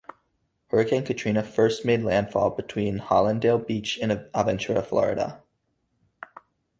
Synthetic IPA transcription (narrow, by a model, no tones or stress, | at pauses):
hɜ˞ɨkʰæ̃nkʰɨtʰɹ̥ĩnɨfɜ˞st̚meɪdˡlæ̃nd̥fɔ̰lˠbɨtʰw̥ĩnhɑlˠə̃ndeɪlˠbit͡ʃɨ̃nəvɛ̃nt͡ʃəɹə̰flɔ̰ɹɨ̰ɾə̰